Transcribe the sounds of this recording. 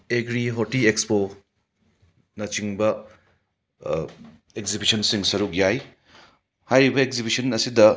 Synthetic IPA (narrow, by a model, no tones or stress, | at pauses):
eɡɾiɦotiekspo | nɐt͡ʃiŋbɐ | ekzibisɐnsiŋsɐɾuk̚jaj | hajɾibɐekzibisɐnɐsidɐ